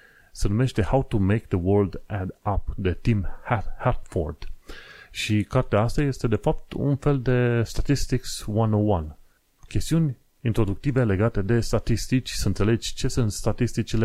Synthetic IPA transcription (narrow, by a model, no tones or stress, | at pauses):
se̞nume̞ʃt̪e̞hawt̪umejk̚d̪əwəɾld̪æd̪ap̚d̪ət̪imhahat̪fo̰rd̪̥ | ʃikart̪eaast̪aje̞st̪e̞d̪e̞fap̚t̪ṵnfe̞ld̪e̞st̪at̪ist̪ikswanowan | kʲe̞st̪iunʲ | int̪ɾo̞d̪uk̚t̪ive̞le̞ɡat̪e̞d̪e̞st̪at̪ist̪it͡ʃʲsəɨnt̪se̞le̞d͡ʒʲt͡ʃe̞sɨnt̪st̪at̪ist̪it͡ʃile